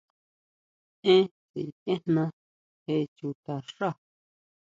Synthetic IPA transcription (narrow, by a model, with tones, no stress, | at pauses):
ẽ˦t͡sḭ˨ẽ˦nnã˧ | he˦t͡ʃu˧t̪a˨ʂa˦˨